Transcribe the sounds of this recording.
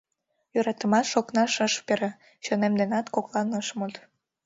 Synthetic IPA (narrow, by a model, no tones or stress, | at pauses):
jøɾɑt̪əmɑʃoknɑʃəʃpeɾe | ɕonemd̪enɑt̪koklɑnəʃmut̪